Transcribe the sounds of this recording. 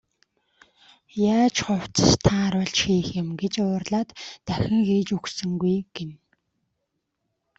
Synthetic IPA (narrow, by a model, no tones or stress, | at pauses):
jaːt͡ɕχʊw̥t͡sə̥̆st̪ʰaːɾʊɮt͡ɕxiːxɪmɡet͡ɕʊːrɮaːt̪ːæxʲɪ̆ŋxiːt͡ɕuxsɵ̆ŋɡujɡ̥en